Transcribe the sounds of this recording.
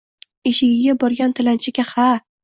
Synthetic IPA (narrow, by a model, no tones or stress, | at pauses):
eʃɪɡʲɪɡʲabɒɾɡʲant̪ʰɪlant͡ʃʰɪkʲaha